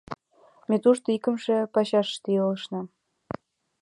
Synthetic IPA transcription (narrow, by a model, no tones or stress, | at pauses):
met̪uʃt̪oikə̆mʃĕpɑɕɑʃːt̪ijələʃnɑm